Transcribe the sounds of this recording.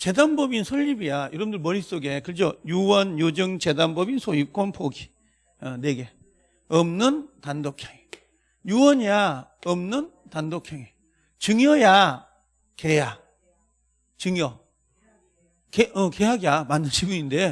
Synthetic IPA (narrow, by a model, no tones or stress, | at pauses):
t͡ɕedanbʌbinsʰʌʎːibijajʌɾʌbɯndɯɭmʌɾis͈oɡekɯɾd͡ʑojuwʌnjod͡ʑɯŋt͡ɕe̞danbʌbinsʰoip̚k͈wʌnpʰoɡi | ʌneɡe | ʌmnɯntandokʰeŋe | juwʌɲjaʌmnɯntandokʰeŋe | t͡ɕɯŋjʌja | keja | t͡ɕɯŋjʌ | keʔʌkeɦaɡijamanːɯnɕʰibɯinde